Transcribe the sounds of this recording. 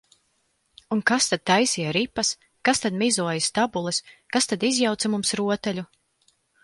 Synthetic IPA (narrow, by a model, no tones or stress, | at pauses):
unkast̪ad̪̚t̪ajsijaɾipːas | kast̪ad̪mizuɔjist̪abulˠɛskast̪ad̪izjawt̪samumsɾuɔt̪ɛlʲu